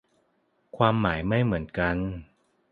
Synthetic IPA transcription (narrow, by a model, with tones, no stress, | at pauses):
kʰwaː˧mːaː˩˦jma˥˩jmɯ˩˦ənka˧n